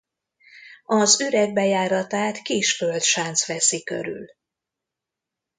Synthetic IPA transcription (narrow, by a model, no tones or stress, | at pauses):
ɒzyɾɛɡ̚bɛjaːɾɒt̪aːt̪kiʃfølt̪ʃant̪sʋɛsikø̰ɾy̰l